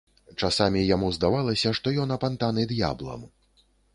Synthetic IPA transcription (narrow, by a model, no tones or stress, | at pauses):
t͡ʂasamʲijamuzd̪avalˠɐsʲɐʂt̪ɔjɔnɐpant̪anɨd̪ja̰blˠɐ̰m